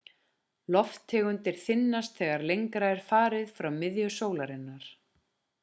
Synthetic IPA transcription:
lɔft̪ʰːɛːɣʏnt̪ɪɾ̥θɪnːast̪θɛːɣaɾlejŋkɾaɛɾ̥faːɾɪðfɾawmɪðjʏsoːwlaɾɪnːaɾ̥

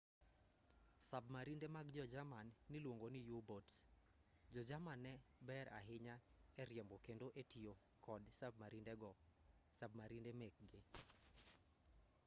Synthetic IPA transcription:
sabmaɾindemakd͡ʒɔd͡ʒamanːɪlwoŋɡonɪjubots | d͡ʒɔd͡ʒamanːɛbɛɾʔa̰ɦɪɲaɛɾjɛmbɔkendoʔetijo | kʰɔdsab̚maɾindɛɡɔsabmaɾindemɛk̚ɡɪ

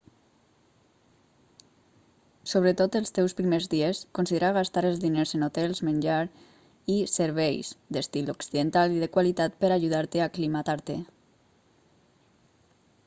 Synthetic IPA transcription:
soβ̞ɾət̪ot̪əlˠst̪ewspɾimezðieskonsiðeɾaɣast̪aɾəlzðineɾzənot̪ɛlˠzmənʲʒaɾ | isəɾβɛjsd̪əst̪iloksiðənt̪aliðəkwalit̪at̪̚pəɾaʒuð̞aɾt̪eaklimat̪aɾt̪e

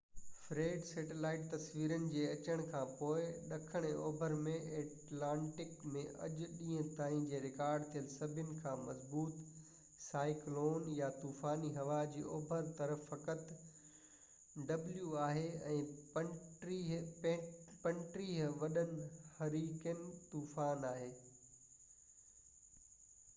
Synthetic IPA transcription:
fɾeːɖseːʈelaːɪʈ̚t̪ɐsʋiːɾənɪ̆d͡ʑeːɐt͡ɕəɽ̃kʰãːpoːɪɗɐkʰəɽ̃o̰ːbʱəɾmẽeːʈlãːɳʈɪkmẽʔɐ̰ʄʊɗĩːɦə̃t̪aːĩd͡ʑeːɾɪkaːɾɖt̪ʰijəlsɐbʱjʊnɪ̆kʰãːmɐzbuːt̪ | saːɪkloːnjat̪uːfaːniɦɐʋad͡ʑiːʔoːbʱəɾt̪ɐɾəfːɐkət̪ | ɖɐbljuaːɦeɛ̰̃ː | pɐ̃ɳʈɾiːɦʋɐɗənɪ̆hɐɾiːkənɪt̪uːfaːnaːɦeː

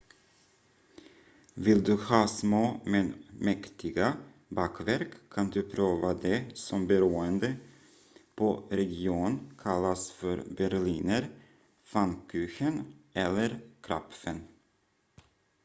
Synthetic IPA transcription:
vɪld̪ɵhɑːsmoːmɛnmɛkt̪ʰɪɡa | bɑːkvæɾkʰːand̪ɵpʰɾøːvad̪ɛsɔmbɛɾʉːənd̪ə | pʰɔɾɛɡɪuːnkʰalːasfœɾbæɾɭiːnəɾ | fankʰʉːɕənɛlːəɾkʰɾapfən

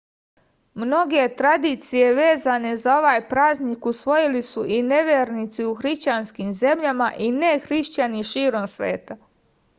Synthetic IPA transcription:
mno̞ɡe̞t̪ɾad̪iːt̪sije̞ʋe̞ːzane̞zao̞ʋaːjpɾaːznikusʋo̞jilisuʔine̞ʋeːɾnit̪siuxɾiʃt͡ɕanskiːmze̞mʎamaʔinexɾiʃt͡ɕaniʃiːɾo̞msʋḛːt̪a

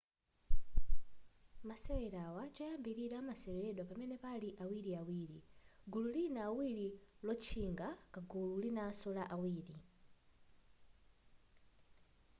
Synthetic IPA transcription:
masɛwɛɾawat͡ʃajambiɾiɾamasɛwɛɾɛɗwapamɛnɛpaliʔawiɾiawiːɾiɡululinaːwiɾilɔt͡ʃʰiŋɡakaɡululinaːsɔlaʔawiːɾi

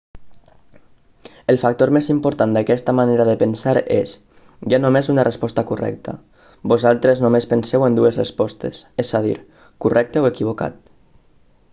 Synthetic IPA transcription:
əlˠfak̚t̪oɾmezimpoɾt̪and̪akɛst̪amaneɾaðəpənsaɾes | ʒanomezunarespɔst̪akurɛ̰k̚t̪a̰ | bozalˠt̪ɾeznomespənsɛwend̪uezrespɔst̪ḛsesaðḭɾ | kurʔɛk̚t̪eoekiβ̞oka̰t̪̚

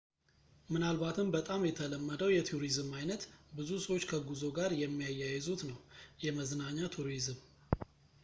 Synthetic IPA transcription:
mɨnalβat̪ʰɨmbət̪ʼamjɛt̪ʰələmːəd̪əwjɛt̪ʰuɾizɨmajnət̪bɨzusəwot͡ʃːkʰəɡuzo̞ɡaɾjɛmːijajːajɛzut̪nəwjɛməznaɲːat̪ʰuɾizɨm

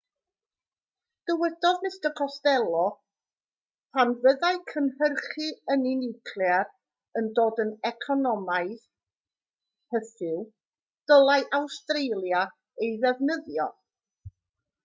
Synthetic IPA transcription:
d̥əwɛd̥ɔðnɪstɔkʰɔstɛlˠɔ | pʰanvəðaɨkʰənhərχɨəninɪwkʰlˠjar | əndoːdənɛkʰɔnɔmaɨð | həθɪw | d̥əlˠaɨʔawstrejlˠja | ejðɛvnəðjɔ

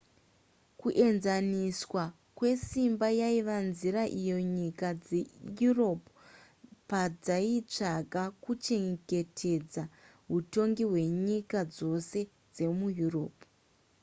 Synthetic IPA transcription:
kuʔe̞nzaniswa | kwe̞simbajaiʋanziɾaʔijo̞ɲikad͡zejuro̞pu | pad͡zait͡ʂaɡʱakut͡ʃe̞ŋɡe̞tʰe̞d͡za | ɦuto̞ŋɡiɦwe̞ɲikad͡zo̞se̞ | d͡ze̞mujuro̞ːpu

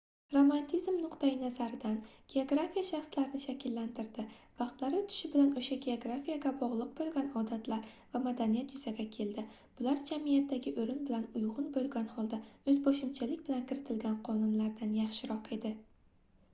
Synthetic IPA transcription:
ɾomant̪ʰizmnʊqt̪ajɪnazaɾɪd̪anɡ̥ʲe̞oɡɾafijaʃaχslaɾɪnɪʃakʲɪlːant̪ɪɾd̪ɪvɑqt̪laɾɪt̪ʰʊ̥ʃɪbɪlanoʃaɡʲeoɡɾafijaɡʲabɒʁlˠɨq̚bolˠɡʲanɒd̪at̪laɾvamad̪anijat̪jʊz̥aɡʲakʲʰe̞ld̪ɪ | b̥ʊlaɾd͡ʒamijat̪ːaɡʲɪʔɵɾɪnbɪlanʊjʁʊnbolˠɡʲanhɒlˠd̪aɵzboʃɪmt͡ʃʰalɪkʲbɪlankʲʰɪɾɪt̪ʰɪlɡʲanqʰɒnʊnlaɾd̪anjɑχʃɪɾɒqe̞d̪ɪ

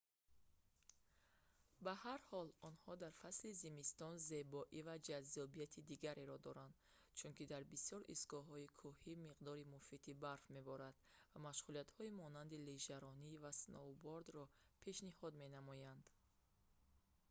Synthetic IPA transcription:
bahaɾhɔlɔnhɔd̪aɾfaslizimist̪ɔnze̞bɔʔivad͡ʒazːɔbijat̪ʰid̪iɡaɾʔeɾɔd̪ɔɾand̪ | t͡ʃʰunkid̪aɾbisjɔɾḭsɡɔɦɔikʰuhimiqd̪ɔɾimufit̪ʰibaɾfme̞bɔɾad̪̥vamaʃʁuliat̪hɔimɔnand̪iliʒaɾɔnivasnʔɔbɔɾd̪ɾɔpʰe̞ʃnihɔd̪me̞namɔjand̪

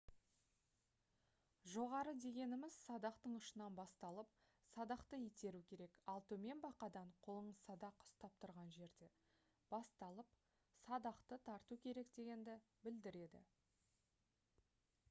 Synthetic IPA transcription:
ʒo̞ʁɑɾəd̪e̞ɡʲe̞nɪmɪz̥sɑd̪ɑqt̪əɴʊʃənɑnbɑst̪ɑlˠəp̚ | sɑd̪ɑqt̪əjet̪e̞ɾukʲʰe̞ɾe̞kɑlˠt̪ɵme̞nbɑqɑd̪ɑɴqʰolˠəɴəzsɑd̪ɑqʊ̥st̪ɑp̚t̪ʊɾʁɑnʒe̞ɾd̪e̞ | b̥ɑst̪ɑlˠəp | sɑd̪ɑqt̪ət̪ʰɑɾt̪ukʲʰe̞ɾe̞kd̪e̞ɡʲe̞nd̪ɪ | bɪld̪ɪɾe̞d̪ɪ̰

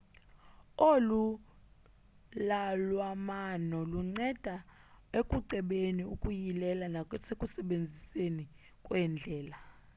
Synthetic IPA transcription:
olu | lalwamanɔluŋ͡ǀɛd̥ʱaekʼuǀʱɛɓeniukʼujilɛlanasekʼusɛɓend͡zʱiseni | kʼwɛnd͡ɮʱɛːla

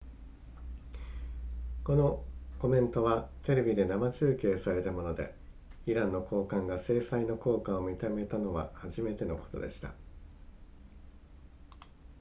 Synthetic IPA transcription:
ko̞no̞ko̞mẽ̞nt̪o̞βat̪e̞ɾe̞bʲid̪e̞namat͡ɕɨːkʲeːsaɾe̞t̪amo̞no̞d̪e̞̰ | iɾãnːo̞kʰo̞ːkãŋɡase̞ːsaino̞ko̞ːkãomʲit̪amet̪ano̞βa̰haʑime̞t̪e̞no̞ko̞̥t̪o̞̰d̪e̞̰ɕi̥t̪ḁ̰

